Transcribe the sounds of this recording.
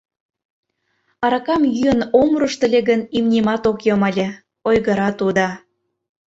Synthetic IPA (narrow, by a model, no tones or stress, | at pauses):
ɑɾɑkɑmjyənomɾəʃt̪ə̆lʲeɣənimnʲemɑt̪okjomɑlʲe | ojɣəɾɑt̪ud̪ɑ